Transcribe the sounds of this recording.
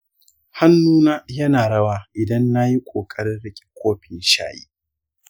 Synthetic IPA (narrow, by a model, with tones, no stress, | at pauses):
ha˦nːuː˦naː˦jɐ˦naː˨ɽɐ˦waː˦ʔɪ˨dɐ˦nːa˦ji˦kʷʼoː˨kʼɐ˦ɽɪ˦nɽɪ˦kʲʼi̥˨kʷʰoː˦ɸɪ˨nʃa̰ː˦˨jḭː˦